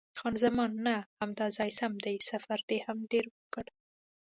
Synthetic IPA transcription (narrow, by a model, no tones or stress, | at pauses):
xɑnzamɑnːahamd̪ɑzɑjsamd̪ajsafaɾd̪̥ehamɖeɾwəkəɽ